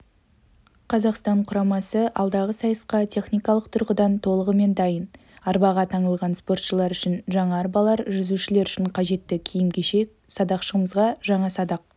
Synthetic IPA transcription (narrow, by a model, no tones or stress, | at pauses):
qʰɑzɑqst̪ɑɴqʰʊɾɑmɑsəʔɑlˠd̪ɑʁəsɑjəsqɑt̪ʰe̞χnijkɑlˠəqt̪ʰʊɾqəd̪ɑnt̪ʰo̞lˠəʁəme̞nd̪ɑjən | ɑɾbɑʁɑt̪ʰɑɴəlˠʁɑnspo̞rt̪ʃəlˠɑɾʏʃɪnʒɑɴɑːɾbɑlˠɑɾʒʏzuʃɪle̞ɾʏʃɪɴqʰɑʒe̞t̪ːɪkʲʰijɪmkʲeʃe̞k̚sɑd̪ɑqʃəʁəməzʁɑʒɑɴɑsɑd̪ɑq̚